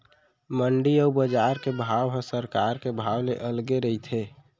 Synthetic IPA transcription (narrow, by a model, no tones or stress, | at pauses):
məɳɖiəbəd͡ʒaɾkebʱawɦə̃səɾkaɾkebʱawneʔəlɡeɾəit̪ʰe